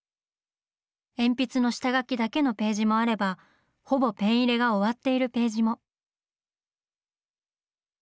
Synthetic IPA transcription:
ẽ̞mpʲit͡sɨno̞ɕi̥t̪aɡakʲid̪ake̞no̞pe̞ːʑimo̞aɾe̞ba | ho̞bo̞pẽ̞ɰ̃iɾe̞ɡaoβat̪ːe̞iɾɯ̟pe̞ːʑimo̞

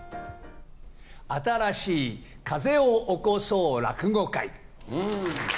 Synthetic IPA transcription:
at̪aɾaɕiː | kʰaze̞oʔokosoːɾa̰kɯ̟ɡokai

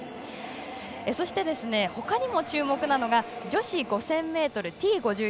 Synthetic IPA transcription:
eso̞ɕi̥t̪e̞d̪e̞sɨne̞ho̞kaɲ̟imo̞t͡ɕɨːmo̞kɯ̟nano̞ɡad͡ʑo̞ɕiɡo̞sẽ̞mːe̞ːt̪o̞ɾɯ̟t̪ʲiːɡo̞ʑɨː

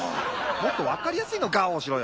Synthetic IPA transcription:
mot̪ːo̞βakaɾʲijasɨino̞ɡaoːɕiɾo̞j

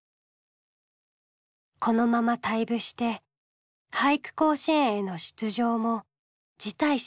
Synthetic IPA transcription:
kʰo̞no̞mamat̪aibɯ̟ɕi̥t̪e̞ | haikɯ̥ko̞ːɕĩɰ̃eno̞ɕɨ̥t͡sɨʑo̞ːmo̞ | d͡ʑit̪ai

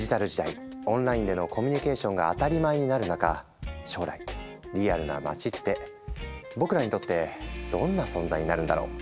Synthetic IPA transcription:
ʑit̪aɾɯ̟ʑid̪aiõ̞nɾaĩnd̪e̞no̞ko̞mʲiɲ̟ike̞ːɕõ̞ŋɡa̰ːt̪aɾʲimaeɲ̟inaɾɯ̟naka | ɕo̞ːɾa̰i | ɾʲijaɾɯ̟na̰ma̰t͡ɕit̪ːe̞ | bo̞kɯ̟ɾaɲ̟it̪o̞t̪ːe̞d̪̥õ̞nːasõ̞nzaiɲ̟inaɾɯ̟̃nd̪a̰ɾo̞̰ː

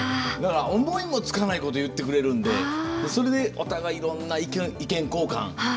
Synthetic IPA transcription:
d̪akaɾaõmboĩɲimo̞t͡sɨ̥kanaiko̞t̪o̞jɯ̟t̪ːe̞kɯ̟ɾe̞ɾɯ̟̃nd̪e̞eso̞ɾe̞d̪e̞ot̪aɡaiɾõ̞nːaikẽikẽ̞ŋko̞ːkã̰ŋ

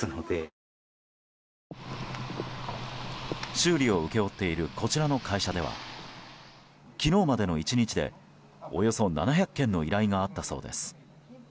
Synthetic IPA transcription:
nod̪e | ɕɨːɾʲio̞ɯ̟ke̞o̞t̪ːe̞iɾɯ̟kʰo̞t͡ɕiɾano̞kʰaiɕad̪e̞βa̰ | kʲino̞ːmad̪e̞no̞it͡ɕiɲ̟it͡ɕid̪e̞̰ | o̞̰jo̞so̞na̰naçʲakːẽ̞nːo̞iɾaiŋaːt̪ːaso̞̰ːd̪e̞̰sɨ̥

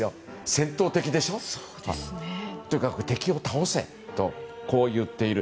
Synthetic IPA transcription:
jo | sẽ̞nt̪o̞ːt̪e̞kʲid̪e̞ɕo̞o | d̪ | t̪ojɯ̟kakɯ̟t̪e̞kʲio̞t̪aose̞̰ | t̪o̞ko̞ːjɯ̟t̪ːe̞iɾɯ̟

